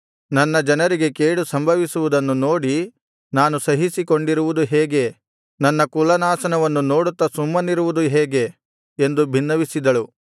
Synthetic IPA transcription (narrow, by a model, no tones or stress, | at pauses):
nɐnːɐd͡ʒɐnɐɾiɡe̞keːɽusɐmbʱɐʋisuʋud̪ɐnːuno̞ːɽi | naːnusɐɦisiko̞ɳɖiɾuʋud̪uɦeːɡe̞ | nɐnːɐkulɐnaːsɐnɐʋɐnːuno̞ːɽut̪ːɐsumːɐniɾuʋud̪uɦɛːɡe̞ | end̪ubʱinːɐʋisid̪ɐɭu